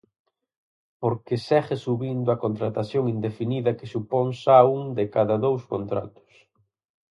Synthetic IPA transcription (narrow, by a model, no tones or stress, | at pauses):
poɾkesɛɣesuβind̪ʊɐkont̪ɾat̪aθjoŋind̪efiniðɐkesuponsauŋd̪ekaðɐðowskont̪ɾa̰t̪ʊ̥s